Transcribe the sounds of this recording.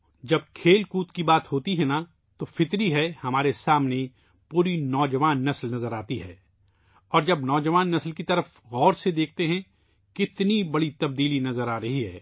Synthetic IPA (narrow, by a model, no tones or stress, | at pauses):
d͡ʒɐb̚kʰeːlkuːt̪kibaːt̪ɦoːt̪iɦɛna | t̪ofɪt̪ɾiɦɛhɐmaːɾesaːmne | puːɾinɔːd͡ʒɐʋaːnːɐslnɐzəɾaːt̪iɦɛ̰ː | ɔːɾd͡ʒɐbnɔːd͡ʒɐʋaːnːɐslkit̪ɐɾəf | ɣɔːɾsed̪eːk̚ʰt̪eɦɛ̃ | kɪt̪nibɐɽit̪ɐb̚d̪iːlinɐzəɾaːɾɐɦiɦɛ̰ː